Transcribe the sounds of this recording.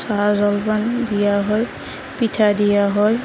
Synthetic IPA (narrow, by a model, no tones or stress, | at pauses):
sazɔlbandijaɦɔj | pitʰadijaɦɔj